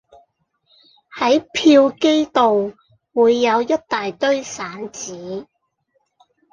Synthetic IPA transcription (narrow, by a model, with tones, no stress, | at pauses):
hɐ˨˥jpʰiː˧wke˥jt̪o˨w | wuː˨˧jːɐ˨˧wjɐ˥t̚t̪aː˨jt̪ɵ˥ɥsaː˨˥nt͡siː˨˥